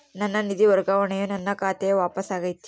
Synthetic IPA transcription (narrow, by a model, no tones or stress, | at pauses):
nɐnːɐnid̪iʋɐɾɡaʋɐɳejunɐnːɐkaːt̪eʋaːpɐsaːɡɐjt̪ːi̥